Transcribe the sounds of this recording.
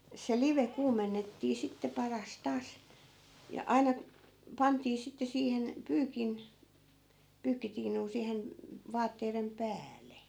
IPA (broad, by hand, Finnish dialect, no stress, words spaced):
se liʋe kuːmenːetːiː sitːe pɑrɑs tɑːs jɑ ɑi̯nɑ pɑntiː sitːe siːhen pyːkin pyːkːitiːnuː siːhen ʋɑːtːeirem pæːlˑe